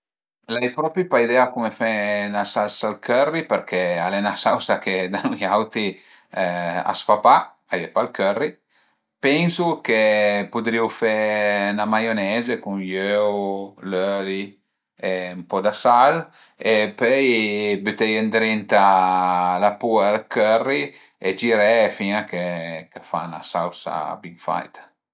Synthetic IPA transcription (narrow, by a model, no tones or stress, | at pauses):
lajpɾɔpipaid̪ɛakumefɛnasalsalkørːipeɾkʰɛalɛnasawsaked̪anujawt̪i | a̰sfapa | ajɛpalkørːi | pɛnsukepud̪ɾiwfɛnamajonɛzekunjøwløli | eumpɔd̪asal | epœjbyt̪ɛjend̪ɾint̪a | lapuaːlkørːi | ed͡ʒiɾɛfiŋakekafa̰na̰sawsa̰biŋfa̰jt̪ḁ